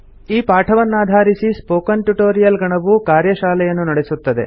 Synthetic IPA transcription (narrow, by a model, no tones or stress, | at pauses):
iːpaːʈʰɐʋɐnːaːd̪ʱaːɾisispoːkɐnʈuʈoːɾijɐlɡɐɳɐʋukaːɾjɐʃaːlɛjɐnːunɐɽesut̪ːɐd̪e̞̰